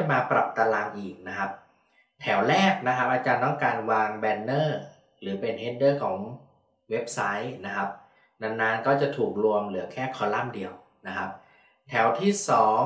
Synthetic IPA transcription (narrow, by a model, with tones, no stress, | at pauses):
jmaː˧pɾa˨˩p̚t̪aː˧laː˧ŋʔiː˨˩k̚na˦˥kʰa˦˥p̚ | t̪ʰɛ˩˦wlɛː˥˩k̚na˦˥kʰa˦˥p̚ʔaː˧t͡ɕaː˧nt̪ɔ˥˩ŋkaː˧nwaː˧ŋbɛː˧nːɤː˥˩ | lɯː˩˦pe˧nɦeː˦˥ndɤː˥˩kʰɔː˩˦ŋ | we˦˥p̚sa˦˥jna˦˥kʰa˦˥p̚ | na˧ŋnaː˦˥nkɔː˥˩t͡ɕa˨˩t̪ʰuː˨˩k̚ɾu˧əmlɯ˩˦ɐkʰɛː˥˩kʰɔː˧la˥˩mdi˧əw | na˦˥kʰa˦˥p̚ | t̪ʰɛː˩˦wt̪ʰiː˥˩sɔː˩˦ŋ